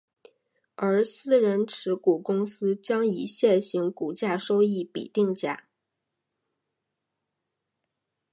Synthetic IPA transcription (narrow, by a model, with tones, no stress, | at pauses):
ə˞˧˥sɹ̩˥˩ɻə˧˥nʈ͡ʂʰɻ̩˧˥ku˨˩kʊ˥ŋsɹ̩˥t͡ɕjɑ˥ŋi˨˩ɕjɛ˥˩nɕi˧˥ŋku˨˩t͡ɕja˥˩ʂo˥ʊi˥˩pḭ˨˩t̪i˥˩ŋt͡ɕja̰˥˩˦